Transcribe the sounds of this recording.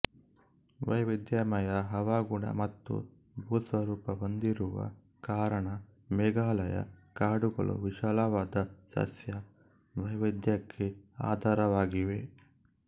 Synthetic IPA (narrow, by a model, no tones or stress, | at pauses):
ʋɐjʋid̪jamɐjɐɦɐʋaːɡuɳɐ̰mɐt̪ːṵ | bʱuːsʋɐɾuːpɐond̪iɾuʋɐ̰ | kaːɾɐɳɐ | mɛːɡaːlɐjɐ̰kaːɽuɡɐ̰ɭṵʋiʃaːlaʋaːd̪ɐsɐ̰sjɐ | ʋɐjʋid̪jɐkʰːea̰ːd̪ʱaːɾɐʋaːɡiʋe̞